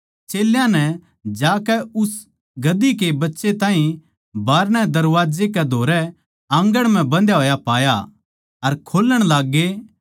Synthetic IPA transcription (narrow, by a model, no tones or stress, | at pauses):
t͡ʃeːljãnɛ | d͡ʒaːkɛʊs | ɡɐd̪ikebɐtːʃet̪ãːɦĩ | baːɾñɛd̪ɐɾʋaːd͡ʒekɛd̪ʱoːɾɛ | ãŋɡəɽ̃m̤ɛ̃bɐ̃nd̪jaɦoːjapaːja | ɐɾkʰoːləɽ̃laːɡːe